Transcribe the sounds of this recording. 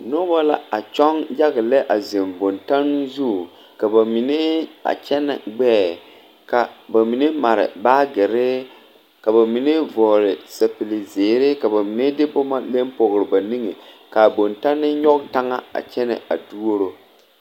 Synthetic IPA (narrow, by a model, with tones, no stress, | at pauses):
nʊ˦ba˦la˦a˨t͡ʃɔ˦ŋja˦ɣɪ˨lɛ˦ʔa˨ze˨mbo˨nta˦n˦zu˦˨ | ka˨ba˨mi˨ne˦a̰˨t͡ʃɛ˦nɪ̰˨ɡ͡bɛː˦˨ | ka˨ba˨mi˨ne˦ma˨ɾɪ̰˨baː˦ɡɪ˨ɾɪ˦ | ka˨ba˨mi˨ne˦vɔː˨ɾɪ˨sa˨pi˨lɪ˨zeː˨ɾɪ˦ka˨ba˨mi˨ne˦dɪ˦bʊ˦ma˦le˦mpɔ˨ɣɾɪ˨ba˨ni˦ŋe˨ka˨bo˨nta˦nːɪ˦ɲɔ˦kta˦ŋa˦a̰˨t͡ʃɛ˦nɛ̰˨a̰˨du˦o˦ɾo˦